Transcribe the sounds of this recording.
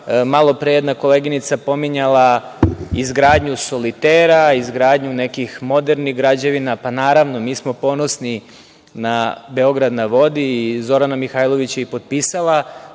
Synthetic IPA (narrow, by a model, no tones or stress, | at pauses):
malo̞pɾejed̪nako̞leɡinit̪sapo̞miɲalˠa | izɡɾaːd̪ɲuso̞lit̪eːɾaizɡɾaːd̪ɲune̞kixmo̞d̪e̞ɾniɣɡɾad͡ʑeʋinapanaːɾaʋno̞miːsmo̞po̞no̞sni | nabe̞o̞ɡɾad̪naʋo̞d̪iːzo̞ɾanamixaːjlˠo̞ʋit͡ɕeipo̞d̪̚pisalˠa